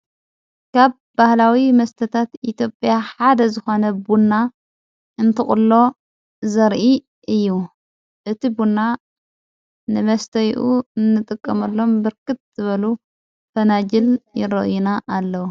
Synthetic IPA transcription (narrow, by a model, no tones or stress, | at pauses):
kʰaβ | bahlawimɐst̪ʰɐt̪ʰat̪it̪ʰjo̞pʼːjaħad̪ɐzɨxo̞nɐbunːa | ɨnt̪ʰɨχʼʊlːo̞ | zɐɾʔi | ʔɨjːu | ʔɨt̪ʰibunːa | nɨmɐst̪ʰɐjʔuɨnːɨt̪ʼɨkʼːɐmɐlːo̞mbɨɾkɨt̪̚z̥ɨβɐlu | fɐnad͡ʒɪljɪɾɐ̰ʔjunaʔːlːɐwu